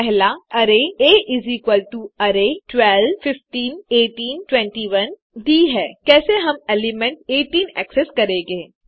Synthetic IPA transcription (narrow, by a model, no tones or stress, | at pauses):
pɛɦlaɐɾeeːʔɪzikwəlʈuɐɾeʈwɛlfɪfʈiːneːʈiːnʈwɛ̃ɳʈiːʋɐn | d̪iːɦɛːkɛːseɦɐmɛlɪmɛ̃ɳʈeːʈiːnɛ̰ːkseskɐɾẽːɡẽː